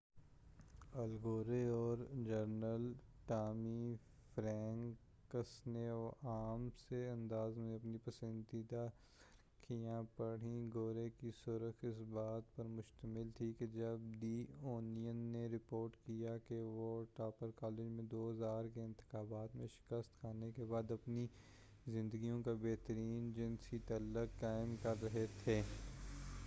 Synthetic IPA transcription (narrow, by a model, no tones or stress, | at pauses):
ɐlɡoːɾeɔːɾd͡ʒəɾnəlʈaːmi | fɾɛ̃ːŋ | kəsneɔːʔaːmseɐ̃nd̪aːzmẽɐpnipɐsə̃nd̪id̪a | kʰijãpɐɽ̤ĩɡoːɾekisʊɾəxɪsbaːt̪pɐɾmʊʃt̪əmɪlt̪ʰiked͡ʒɐbd̪iːoːnijənːeɾɪpoːɾʈkijakeʋoʈaːpəɾkaːlɪd͡ʒmẽd̪oːɦɐzaːɾkeɪ̃nt̪ɪ̥xaːbaːt̪mẽʃɪ̥kəst̪kʰaːnekebaːd̪ɐpni | zɪ̃nd̪əɡijõkabeːɦt̪əɾiːnd͡ʒɪnsit̪ɐlːəkːaːɪmkɐɾːɐɦet̪ʰeː